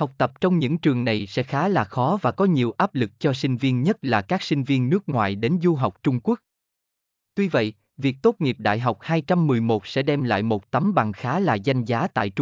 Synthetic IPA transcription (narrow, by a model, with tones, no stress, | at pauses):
ha˨˩wk͡p̚t̪ə˨˩p̚t͡ɕɔ˧wŋ͡mɲɨ̰˧˥ŋt͡ɕɨ˨˩əŋna˨˩jsɛ̰˧˥xaː˨˦laː˨˩xɔ˨˦vaː˨˩kɔ˨˦ɲi˨˩əwʔaː˦˥p̚lɨ˨˩k̚t͡ɕɔ˧sï˧ŋ̟vi˧ənɲə˦˥t̚laː˨˩kaː˦˥k̚sï˧ŋ̟vi˧ənːɨ˦˥ək̚ŋwa̰ː˧˨jɗe˨˦nzu˧ɦɔ˨˩wk͡p̚t͡ɕʊ˧ŋ͡mku˦˥ək̚ | t̪wi˧və̰˧˨j | vi˨˩ək̚t̪o˦˥t̚ŋi˨˩əp̚ɗa̰ː˧˨jɦa˨˩wk͡p̚haː˧jt͡ɕa˧mːɨ˨˩əjmo˨˩t̚sɛ̰˧˥ɗɛ˧mla̰ː˧˨jmo˨˩t̚t̪ə˨˦mɓa˨˩ŋxaː˨˦laː˨˩za˧jŋ̟zaː˨˦t̪a̰ː˧˨jt͡ɕ